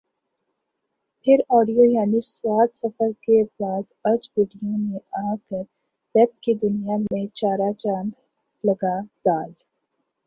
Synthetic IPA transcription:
pʰɪɾɔːɖijojaːniswaːt̪sɐfəɾkebaːd̪ɐd͡ʒbɪːɖijõnẽaːkəɾ | pɛːp̚kid̪ʊnijamẽt͡ʃaːɾat͡ʃãːnd̪ | lɐɡad̪̥aːl

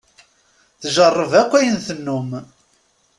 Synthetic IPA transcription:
θʒərˤːəvækʷːæjənθənːʊm

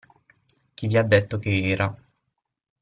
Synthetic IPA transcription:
k̟iviad̪ːet̪ːokeɛːɾʔa

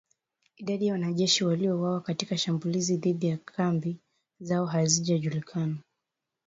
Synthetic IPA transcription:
iɗaɗijawanaʄɛʃiwaliɔwawakatikaʃambuliziðiɗijakʰambi | zaɔɦaziʄaʄulikʰana

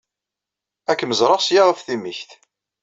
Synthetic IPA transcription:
ækːməzɾˤɑsjaʁəfθiməçθ

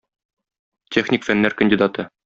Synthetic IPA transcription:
tʲeχnʲɪkfænːæɾkə̆nʲdʲid̪ɑt̪ɤ

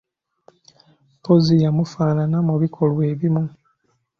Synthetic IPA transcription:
pozijamufaːnanamuβikʰo̞lwe̞ːβimu

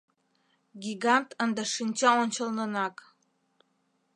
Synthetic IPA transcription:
ɡʲiɡɑnt̪ənd̪əʃinʲt͡ɕɑonʲt͡ɕə̆lnə̆nɑk

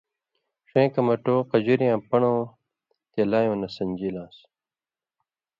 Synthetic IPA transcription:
ʂẽːkɐmɐʈoːqɐd͡ʑiɾjãːpɐɳõː | t̪elaːjõːnɐsɐɲʲd͡ʑiːlãːs

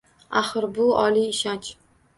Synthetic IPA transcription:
aχɨɾbʊɒliːʃant͡ʃ

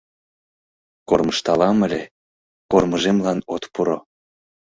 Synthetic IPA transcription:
korməʃt̪ɑlɑməlʲe | korməʒemlɑnot̪puɾo

